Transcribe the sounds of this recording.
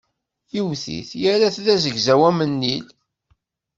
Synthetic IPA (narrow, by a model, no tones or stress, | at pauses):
jiwθḭθjæɾæθðæzəʝzæwæmənːil